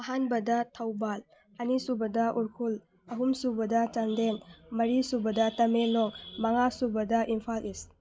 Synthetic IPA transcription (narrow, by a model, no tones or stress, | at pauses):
ɐɦanbɐdatʰawbal | ɐnisubɐdaʔuɾkʰul | ɐɦumsubɐdat͡ʃandenmɐɾisubɐdɐtɐmelɔŋmaŋasubɐdaʔimpʰalʔis